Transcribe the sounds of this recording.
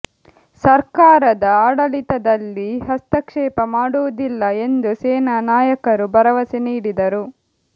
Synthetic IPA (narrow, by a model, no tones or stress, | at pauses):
sɐɾkaːɾɐd̪ɐaːɽɐlit̪ɐd̪ɐlːiɦɐst̪ɐkʂɛːpɐmaːɽuʋud̪ilːɐe̞nd̪useːnɐnaːjɐkɐɾubɐɾɐʋɐsiniːɽid̪ɐɾu